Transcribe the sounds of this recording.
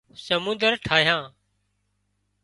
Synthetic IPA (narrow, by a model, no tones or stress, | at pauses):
səmʊ̃nd̪əɾʈʰaːɦjãː